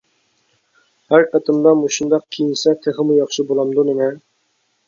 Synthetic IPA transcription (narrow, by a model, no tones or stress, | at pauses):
hæɾqʰɛt̪ʰɨmd̪ɑmuʃund̪ɑq̚kʲʰejinsɛt̪ʰeʁɨmujɑχʃɨbolˠɑmd̪unɪnɛ